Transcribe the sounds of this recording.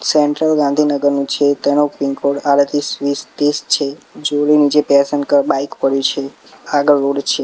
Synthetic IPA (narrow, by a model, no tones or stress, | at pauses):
sɛɳʈɾəlɡãnd̪ʱinəɡəɾnũt͡ʃʰet̪enopiŋkoɽalət̪isʋist̪est͡ʃʰed͡ʒolinid͡ʒepasənkəbaikpəɽjũt͡ʃʰe | aɡəɭːoɽt͡ʃʰe